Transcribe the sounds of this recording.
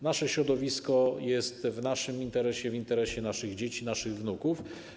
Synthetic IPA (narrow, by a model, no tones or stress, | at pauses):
naʂɛɕɾɔd̪ɔvʲiskɔjɛst̪vnaʂɘmint̪ɛɾɛɕɛvint̪ɛɾɛɕɛnaʂɘɣd͡ʑet͡ɕinaʂɘɣvnukuf